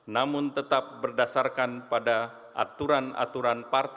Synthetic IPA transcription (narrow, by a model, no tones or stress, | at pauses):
namʊnt̪ət̪ap̚bərdasarkanpada | ʔa̰t̪uɾana̰t̪uɾanpart̪